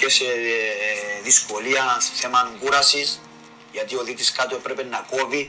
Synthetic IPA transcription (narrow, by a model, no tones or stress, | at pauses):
cese | ðisko̞liɐθe̞mɐaŋɡuɾɐsis | ʝɐt̪io̞ðit̪iskat̪oepɾepenːɐko̞vi